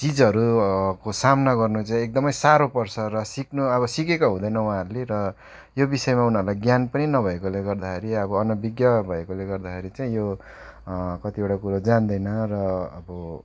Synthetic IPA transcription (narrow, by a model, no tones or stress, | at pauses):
t͡sid͡zɦʌɾukosamnaɡʌrnut͡saĩek̚d̪ʌmʌjsaɾopʌrsʰʌrʌsiknuʌβʌsikekoɦũd̪ʌjnʌw̃ãɦʌɾuleɾʌ | jobisʌemaunʌɾulajɡjanpʌninʌbʱʌekoleɡʌrd̪akʰeɾiʌbʌːnʌbiɡjʌbʱʌekoleɡʌrd̪akʰeɾit͡saĩjo | kʌt̪ieʈakuɾod͡zand̪ʌjnʌrʌːbʌ